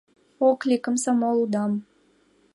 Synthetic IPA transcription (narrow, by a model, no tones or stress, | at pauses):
oklʲikə̆msɑmɑlˠud̪ɑm